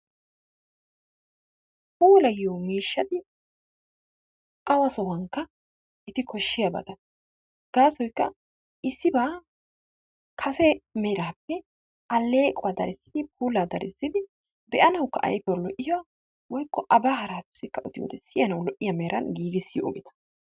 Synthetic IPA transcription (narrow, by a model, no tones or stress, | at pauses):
puːlɐjɪjomiːʃːɐt̪ɪ | ʔɐwɐsɔwɐŋkːɐ | ʔɛt̪ɪkʰɔʃːɪjabɐ̰t̪ɐ | ɡ̥aːsɔjkːɐ | ʔɪsːɪbaː | kʰɐsɛmɛɾaːpːɛ | ʔɐlːeːkʼɔwaːd̪ɐ̰ɾɛsːɪ̥d̪ɪp̚ʰuːlaːd̪ɐɾʔɪ̰sːɪd̪ɪ | bɛʔɐnɐwkːɐ̰ʔɐ̰jpɛwɐlɔʔɪjɔwa | wɔjkːɔʔɐbaːɦɐɾaːt̪ːʊsɪkːɐʔɔd̪ɪjo̰ːd̪ɛsɪjɐnɐwlɔʔɪjɐmeːɾɐ̰nɡiːɡɪsːɪjɔ̰ʔɔ̰ɡɪt̪ɐ̥